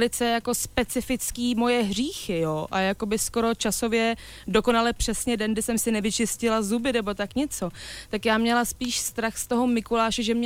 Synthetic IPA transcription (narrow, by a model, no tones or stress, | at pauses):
lɪt͡sɛjako̞spɛt͡sɪfɪt͡skiːmo̞jɛɦr̝iːxɪjoːʔajako̞bɪsko̞ɾo̞t͡ʃaso̞vjɛ | do̞ko̞nalɛpr̝̥ɛsɲɛdɛnɡdɪsɛmsɪnɛvɪt͡ʃɪscɪlazubɪnɛbo̞t̪akɲɛt͡so̞t̪akjaːmɲɛlaspiːʃst̪ɾaxst̪o̞ɦo̞mɪkulaːʃɛʒɛmɲ